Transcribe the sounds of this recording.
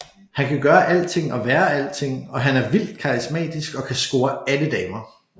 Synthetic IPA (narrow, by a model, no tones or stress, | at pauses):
hænkʰæɡ̥ɶːɐʔæl̰t͡sʰe̝ŋ̰ɒ̽ʋæːɐæl̰dt͡sʰe̝ŋ̰ɒ̽ɦænæɐʋil̰d̥̚kʰɑ̈ʁismɛ̰ːd̥isɡ̥ɒ̽kʰæsɡ̥o̝ːɐæləd̥ɛːmɐ